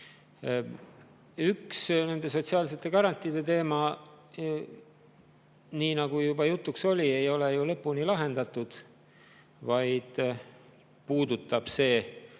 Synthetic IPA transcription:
yksne̞nd̪̥e̞so̞t̪siɑːls̬e̞t̪ːˑe̞kɑɾɑnʲt̪ːˑid̪e̞t̪e̞ːmɑ | niːnɑɡ̥ujubɑjut̪ːˑukso̞lʲie̞jo̞le̞julɤpːunilɑɦe̞nd̪ɑt̪ːˑud̪̥ | vɑjd̪̥ | puːd̪ut̪ːˑɑb̥se̞ː

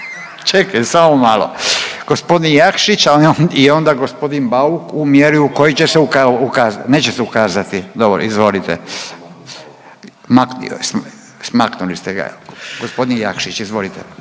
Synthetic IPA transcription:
t͡ʃekajsamomalo̰ɡ̥ospo̞d̪injakʃit͡ʃaio̞nd̪aɡo̞spo̞d̪inbaukumjeɾiuko̞jit͡ɕeseukaukazne̞ːt͡ɕeseukaːzat̪id̪o̞bɾo̰izʋo̞lit̪ḛ | maknḭo̰s | smaknulist̪eɡa̰ɡospo̞d̪inja̰kʃit͡ʃizʋo̞lit̪ɛ̰

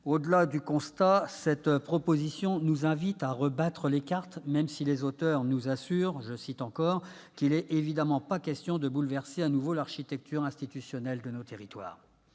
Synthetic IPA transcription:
od̪əlad̪ykɔ̃st̪asɛt̪pχɔpozisjɔ̃nuzɛ̃vit̪aʁəbat̪χəlekaʁt̪mɛmsilezot̪œʁnuzasyʁʒəsit̪ɑ̃kɔʁ | kilɛevid̪amɑ̃pakʲɛst̪jɔ̃d̪əbulvɛʁseanuvolaʁʃit̪ɛk̚t̪yʁɛ̃st̪it̪ysjɔnɛld̪ənot̪eʁit̪wa̰ːʁ

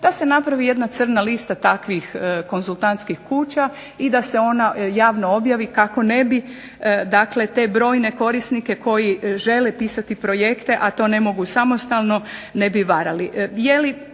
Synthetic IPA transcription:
d̪̥ase̞napɾaʋije̞d̪nat̪sər̩nalist̪at̪akʋixko̞nzulˠt̪ant̪skixkuːt͡ɕa | id̪ase̞o̞najaːʋno̞o̞bjaʋikako̞ne̞bi | d̪akle̞t̪e̞ːbɾo̞ːjne̞ko̞ɾisnike̞kʰo̞jiʒe̞lepiːsat̪ipɾo̞je̞kt̪e̞ʔat̪o̞ne̞mo̞ɡusamo̞st̪alˠno̞ne̞biʋaɾaliʔjeli

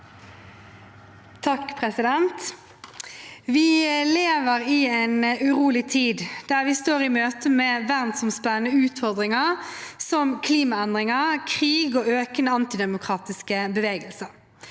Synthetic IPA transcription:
t̪ʰɑkːpʰʁɛsɪd̪ɛnt̪ | ʋɪleːʋəʁɪɛɪnʉʁuːlɪt̪ʰiːd̪d̪̥æːʁʋɪst̪oːʁɪmøːt̪əmeːʋæʁnsɔmspæənəʉːt̪fɔʁd̪ʁɪŋəʁsɔmkʰliːmɑɛnd̪ʁɪŋəkʰʁiːɡoːøːkənəɑnt̪ɪd̪ɛmʊkʰʁɑːt̪ɪskəbəʋeːɡəlsə

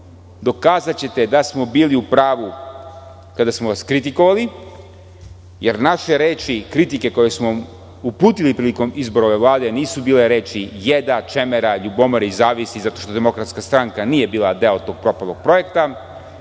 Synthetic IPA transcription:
d̪o̞kaːzat͡ɕe̞t̪ed̪asmo̞biːliupɾaːʋu | kad̪asmoʋaskɾit̪iko̞ʋali | jeɾnaʃe̞ɾeːt͡ʃikɾit̪ike̞ko̞je̞smo̞ | upuːt̪ilipɾiliko̞mizbo̞ɾoʋe̞ʋlˠaːd̪e̞niːsubiːle̞ɾe̞ːt͡ʃijed̪at͡ʃe̞meɾaʎubo̞moɾizaːʋisizat̪o̞ʃt̪o̞d̪e̞mo̞kɾat̪skast̪ɾaŋkaniːje̞biːlad̪e̞ot̪o̞ːɡ̚pɾo̞palˠoɡ̚pɾo̞je̞kt̪a

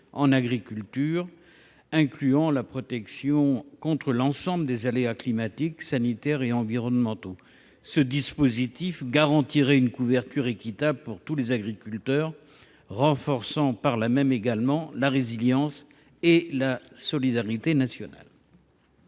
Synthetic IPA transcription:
ɑ̃naɡʁikʲylt̪yʁ | ɛ̃klyɑ̃lapχɔt̪ɛksjɔ̃kɔ̃t̪χəlɑ̃sɑ̃bləd̪ezaleaklimat̪iksanit̪ɛʁeɑ̃viʁɔnmɑ̃t̪o | səd̪ispozit̪ifɡaʁɑ̃t̪iʁɛynkuvɛʁt̪yʁekʲit̪abləpuʁt̪ulezaɡʁikʲylt̪œʁː | ɑ̃fɔʁsɑ̃paʁlamɛmeɡalmɑ̃laʁeziljɑ̃s | elasɔlid̪aʁit̪enasjɔna̰l

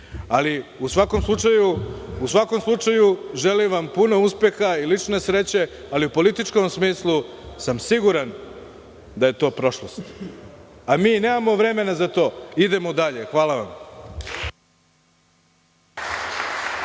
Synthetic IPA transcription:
aliusʋakomslˠut͡ʂajuusʋako̞mslˠut͡ʂajuʒeliʋampuno̞uspje̞xailit͡ʃne̞sɾe̞t͡ɕe̞ | aliupo̞lit̪it͡ʃko̞msmiːslˠusamsiɡuɾan | d̪aje̞t̪o̞ːpɾo̞ʃlost̪ | amiːne̞ːmamo̞ʋɾe̞me̞nazat̪o̞ːid̪e̞mod̪aʎe̞xʋaːlaʋam

